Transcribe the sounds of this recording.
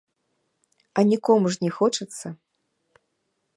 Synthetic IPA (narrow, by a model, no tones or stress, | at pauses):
ɐnʲikɔmuʂnʲɛxɔt͡ʂɨt̪sːɐ